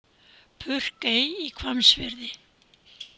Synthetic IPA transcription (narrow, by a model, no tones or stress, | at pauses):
pʰʏr̥kejikʰvamsvɪɾðɪ